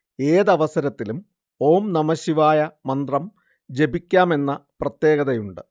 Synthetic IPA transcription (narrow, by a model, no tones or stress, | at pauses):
eːðɐʋɐsɐɾɐt̪ːilum | o̞ːmnɐmɐɕiʋaːjɐmɐnd̪rɐm | d͡ʑe̞bikʲːaːme̞nːɐprɐt̪jeːɣɐðɐjuɳɖɨ